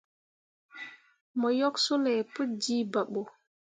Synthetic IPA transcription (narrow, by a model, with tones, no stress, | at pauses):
mɔ˨jɔ˦ksu˦lɛpu˦d͡ʒi˦ba˨ɓːɔ˨